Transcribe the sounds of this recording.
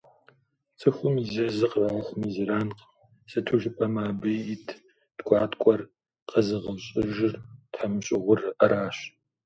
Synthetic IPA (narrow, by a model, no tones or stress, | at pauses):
t͡sʼɨxʷʊmizɐzɨqraːxʷmizɨɾaːnq | sɨtʰʊʒɪpʼɐmaːbɨjitʰ | d̥ɡʷɑːtkʷʼɔr | qɐzɨʁɐɕʼɪʒɪrtħamɨɕʼɪʁʷʊrʔɐɾaːɕ